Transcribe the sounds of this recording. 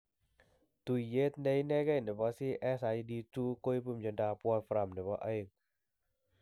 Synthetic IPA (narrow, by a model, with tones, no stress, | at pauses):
t̪u˧˨je˦t̪̚ne˧jnɛ˧˦ɡə˦˧˨ne˨˩bɔ˧˦si˦ʔɛ˧˦sa˧jdi˧tu˧ko˧˦˧jpɯ˧˨md͡ʒa˧ndaː˧pu˧a˧nfɾa˧˨mnɛ˨˩bɔ˧˦ʔə˧jŋ